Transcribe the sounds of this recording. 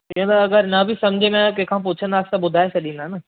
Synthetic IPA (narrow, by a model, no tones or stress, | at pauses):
iɦũt̪ɐɐɡəɾnɐbʱisɐ̃md͡ʑʱemɛ̃kɐ̃ɦkʰãːp̬ʊt͡ɕʰə̃nd̪aːkʰsãɓʊd̪ʱaːet͡ɕʰɐɗĩːnd̪aɦnɐ